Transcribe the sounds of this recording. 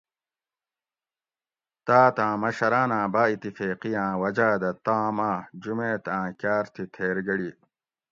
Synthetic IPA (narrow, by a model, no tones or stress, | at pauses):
t̪aːt̪ãːmɐɕɐɾaːnãːbaːit̪ːifeːqijãːwɐd͡ʑaːd̪ɐt̪ãːmaːd͡ʑumẽːt̪ãːkaːɾt̪ʰit̪ʰeːɾɡɐɽi